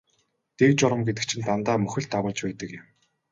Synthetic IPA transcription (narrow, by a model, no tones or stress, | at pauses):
t̪ekt͡ɕɔɾə̆mɡet̪ɘ̆k̚t͡ɕʰɪ̆nt̪ant̪aːmɵxɵ̆ɮɬt̪ːawə̆ːɮt͡ɕpæːt̪ə̆kjɪ̆m